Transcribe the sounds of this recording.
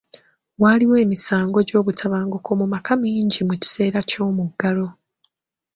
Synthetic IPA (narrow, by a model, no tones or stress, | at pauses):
waliwe̞ːmisaːŋɡo̞ɟo̞ːβutʰaβaːŋɡukʰo̞mumakʰamiːɲɟimuci̥se̞ːɾaco̞ːmuɡːaɾo̞